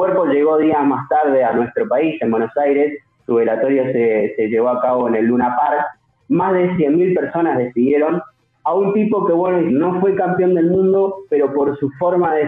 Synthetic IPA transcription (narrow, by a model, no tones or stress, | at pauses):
kweɾpo̞ʒe̞ɣo̞ðiamast̪aɾð̞e̞anwe̞st̪ɾo̞paisembwe̞no̞sajɾesː | uβelat̪o̞ɾjosese̞ʒe̞βo̞akaβo̞ene̞lːunapaɾ | mazðe̞sjenmːilpeɾso̞nazðe̞siðje̞ɾo̞n | aunt̪ipo̞ke̞βwenoino̞fwe̞kampjo̞nd̪e̞lmũnd̪o̞pe̞ɾo̞po̞ɾsufo̞ɾmaðe